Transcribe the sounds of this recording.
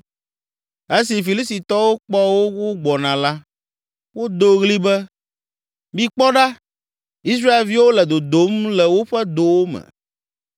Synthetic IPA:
e˦si˨fi˨li˦sti˨t̪ɔ˦wo˦k͡pɔ˦wo˦wo˦ɡ͡bɔ˨nã˨la˦ | wo˦d̪o˦ɣli˦bɛ˦ | mĩ˦k͡pɔ˦ɖa˦ | i˦s̬ɾa˦e˨lvi˦wo˦lɛ˨d̪o˨d̪o˨˦mlɛ˨wo˦ɸɛ˦d̪o˨wo˦mɛ̰̃˨

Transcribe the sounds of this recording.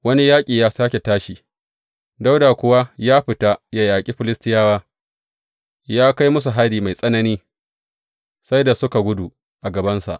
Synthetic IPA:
wɐ˦ni˦jaː˦kʲʼiː˨jaː˦saː˦kʲe˨taː˦ʃi˨ | da˦wda˨kʷʊ˦wa˦jaː˦ɸɪ˨ta˦ja˨jaː˨kʲʼi˦ɸɪ˦lɪ˦stɪ˦jaː˦waː˦ | jaː˦ka˦jmʊ˦s̬u˨ɦa˦liː˨ma˨jsʼɐ˦nɐ˦niː˦ | sa˦jda˨sʊ˦ka˨ɡʷʊ˦du˨ | ʔa˨ɡɐ˨bɐ˦nsa̰˨ʔ

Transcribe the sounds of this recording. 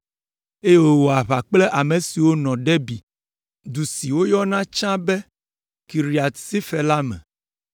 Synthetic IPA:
e˦je˦wo˦˨wo˨a˨βa˨k͡plɛ˦ʔa˨mẽ˨si˨wo˦nɔ̃˨ɖe˦bi˨ | d̪u˨si˨wo˦jɔ˦nã˦t͡ʃã˦be˦ | ki˨ɾi˨a˨t̪si˦fɛ˨la˦mɛ̰̃˨

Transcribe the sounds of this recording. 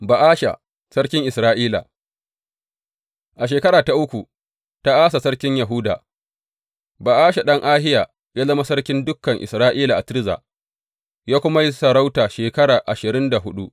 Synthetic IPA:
ba˨ʔaː˦ʃa̰˨ | sɐ˦rkʲɪ˦ŋʔɪ˨sɾaː˦ʔiː˦la̰˨ | ʔa˨ʃ̬eː˨kɐ˦ɾaː˨ta˦ʔʊ˦kʷu˨ | ta˦ʔaː˦sa˨sɐ˦ɽkʲɪ˦ɲjɐ˨ɦʊ˦da̰ː˨ | ba˨ʔaː˦ʃa˨ɗɐ˦ŋʔaː˦hɪ˦jaː˨ | ja˦lɐ˦ma˦sɐ˦rkʲɪ˦ndʊ˦kːɐ˨ŋʔɪ̰˨sɾaː˦ʔiː˦la˨ʔa˨tɪ˦ɾza̰ː˨ | jaː˦kʷʊ˦ma˦ji˦sɐ˨ɾa˦wtaː˨ʃeː˨kɐ˦ɽaː˨ʔa˨ʃɪ˨ɾɪ˦nda˨ɦʊ˦ɗu˦ʔ

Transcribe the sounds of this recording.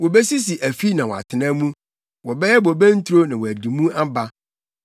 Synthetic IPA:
wɔ˨bɛ˦si˦s̬i˨ʔæ˨fi˦nã˨wɔ˨a̰˨tʰɪ˨nã˦mũ˦ | wɔ˨bɛ˦jɛ˦bɔ˨bæ̃˦n̩˦tʰu˦ɾo˦nã˨wɔ˨æ˨di˨mũ˦ʔa˦ba˦

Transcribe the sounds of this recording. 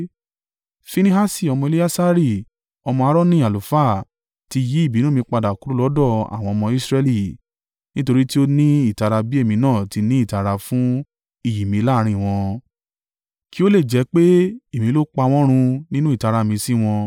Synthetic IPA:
fi˧nĩ˦ɦa˦si˦˨ɔ˧mɔ̃˧e˧li˦a˦sa˦ɾi˦˨ | ɔ˧mɔ̃˧a˧ɾɔ˦nĩ˦˨a˨lo˨fa˦˨ | ti˧ji˨˦i˦˨bi˨˦nõ˦˨mĩ˧k͡pa˧da˨ku˨˦ɾu˦lɔ˨˦dɔ˦˨a̰˨w̃ɔ̃˧ɔ˧mɔ̃˧i˦sɾɛ˧li˦˨ | nĩ˦to˧ɾi˦ti˦o˦nĩ˦i˦˨ta˧ɾa˧bi˦e˦˨mĩ˧nãː˦˨ti˨˧nĩ˦i˦˨ta˨˧ɾa˧fũ˦ | i˦˨ji˨mĩ˨˧la˦˧ɾ̃ĩ˧˨w̃ɔ̃˧ | ki˦o˦le˦˨d͡ʒɛ˨˧˦k͡pe˦e˦˨mĩ˨˧lo˦k͡pa˧w̃ɔ̃˦ɾ̃ũ˧nĩ˦nũ˦i˦˨ta˧ɾa˧˨mĩ˨˧sĩ˦w̃ɔ̃˧

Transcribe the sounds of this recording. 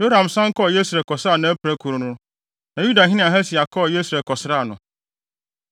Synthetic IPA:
do˦ɾã˨msã˦ŋ̩˦kʰɔ˦˨je˦sɾɛ˨lkʰɔ˨sa˦˨nã˨˦æ˦pʰɾæ˦kʰu˨ɾʊ˨nʊ̃˦ | nã˨ju˦da˨ɦɪ̃˦nɪ̃˦ã˨ɦɛ˦sɪ˨a˨kʰɔ˦˨je˦sɾɛ˨lkʰɔ˨sɪ˦ɾa˦˨nʊ̃˨

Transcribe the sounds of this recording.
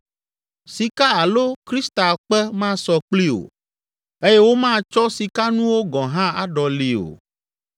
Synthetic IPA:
si˨ka˦a˨lo˦kɾi˦st̪a˨k͡pɛ˦mã˦sɔ˨k͡pli˦o̰˨ | e˦jɛ˦wo˦mã˦t͡ʃɔ˦si˨ka˦nũ˦wo˦ɡɔ̃˨ɦã˦a˦ɖɔ˨li˨o̰˨

